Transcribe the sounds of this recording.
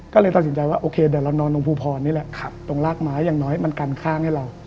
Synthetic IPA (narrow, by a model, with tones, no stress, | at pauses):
kɔː˥˩ɤː˧jt̪a˨t̪̚si˩˦nt͡ɕa˧jwaː˥˩ʔoː˧kʰeː˧dɛː˨˩wɾa˧wnɔː˧nlo˧ŋpʰuː˧˩pʰɔː˧nːiː˦˥˩lɛ˨˩ʔkʰa˨˩p̚t̪o˧ŋlaː˥˩k̚maː˦˥jːaː˨˩ŋnɔː˦˥jma˧nkaː˧nkʰaː˥˩ŋha˥˩jɾa˧w